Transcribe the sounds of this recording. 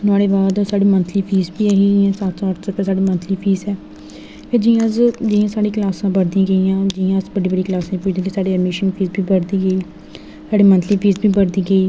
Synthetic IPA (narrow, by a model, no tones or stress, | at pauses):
nʊaːɽeːbaːd̪saːɽiːmənt̪ʰliːpʰiːzbiːəɦiːãːsaːt̪sɔːʈsəpɛ̃ːsaːɽiːmənt̪ʰliːpʰiːzɛː | peːd͡ʒiːãəzd͡ʒɪãːsaːɽiːklaːsãːbəɾd̪iãːɡəijãːd͡ʒɪãːəzbəɖiːbəɖiːklaːsãːipʊːt͡ʃd̪ẽːkesaːɖeːəɾmeːʃənpʰiːzbʱiːbəɾd̪iːɡəiː | saːɽiːmənt̪ʰliːpʰiːzbiːbəɾd̪iːɡəiː